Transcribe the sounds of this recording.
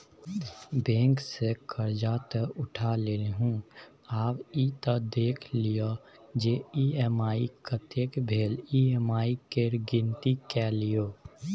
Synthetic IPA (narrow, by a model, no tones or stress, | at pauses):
bẽːŋksekəɾd͡ʒaːt̪əʊʈʰaleːlɦũː | aːpiːt̪əd̪eːkʰlijo | d͡ʒeiɛmaːikət̪eːkbʱeːliːemaːikeɾɡɪ̃nt̪ikɛlijoː